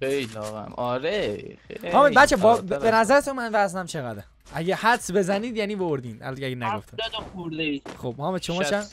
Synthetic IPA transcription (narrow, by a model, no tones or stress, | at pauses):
xejlɒːɣæ̰mɒːɾe | hɒːmebæt̪t͡ʃʰːebɒbbenæzæɾet̪ʰunmænvæzd̪æmt͡ʃʰeɣæd̪ | ʔæɟehæd̪sbe̞zæniːd̪jæniːbooɾd̪iːnʔæ̰lɒnkʰeæɡenæɡoft̪æd̪axuɾd̪eixob̥hɒːmet͡ʃʰomɒːt͡ʃ